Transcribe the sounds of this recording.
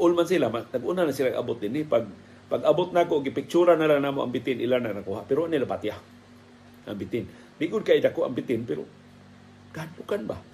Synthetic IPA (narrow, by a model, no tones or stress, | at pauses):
ʔʊlmans̬ilamanaɡʔunanasilaɡa̰bʊt̪̚d̪ɪnɪpaɡ̚ | paɡabʊt̪̚nakoʔɡɪpɪk̚t͡ʃuɾanalaŋnamoʔa̰ŋpɪt̪ɪnʔilananakuɦaʔpɪɾʊʔanilapat̪ja | ʔa̰ŋbɪt̪ɪn | d̪ɪʔɡʊd̪̚kaʔidakoʔa̰ŋpɪt̪ɪnpɛɾʊ̰ | ɡ̥ahadʊkanba̰